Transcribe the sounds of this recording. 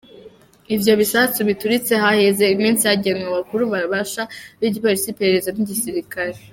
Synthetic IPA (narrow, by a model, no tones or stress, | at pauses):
ibjo̞βisat͡suβituɾit͡se̞hahe̞ze̞imiːnsihaɟenŋaβakuɾuβaβaʃaβiɟipoɾisipe̞ɾeɾe̞zaniɟisiɾikaɾe